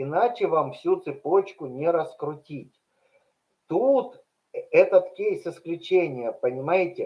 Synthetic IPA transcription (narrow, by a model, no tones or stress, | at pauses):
ɪnat͡ɕɪvamfsʲut̪sɨpo̞t͡ɕkʊnʲɪɾəskɾʊtʲitʲ | t̪ut̪ | ɛt̪ət̪kʲejsɪsklʲʉt͡ɕenʲɪjəpənʲɪmajɪtʲɪ